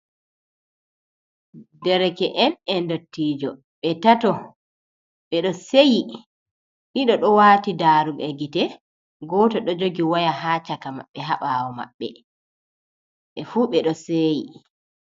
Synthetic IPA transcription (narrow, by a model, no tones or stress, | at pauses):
dɛɾɛkɛʔɛnɛndotːiːd͡ʒɔ | ɓɛtatɔ | ɓɛɗɔseji | ʔiɗɔɗɔwaːtidaɾuɡɛɡitɛ | ɡɔːtɔɗɔd͡ʒoɡiwajaɦaːt͡ʃakama̰ɓːɛɦaɓawɔma̰ɓːɛ̰ | ʔɛfuːɓɛɗɔseːji